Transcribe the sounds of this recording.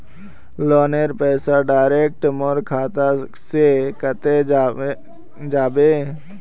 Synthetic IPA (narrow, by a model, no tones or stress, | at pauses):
loːneɾpɛːsaɖaːɪɾeːk̚ʈmoɾkʰaːt̪a | sekət̪e | d͡ʒaːbeː